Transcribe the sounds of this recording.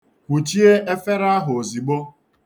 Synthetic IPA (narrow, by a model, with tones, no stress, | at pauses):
kʷu˨t͡ʃi˦e˦e˦fe˦ɾa˦a˦ɦʊ˨o˨zi˨ɡ͡bo˦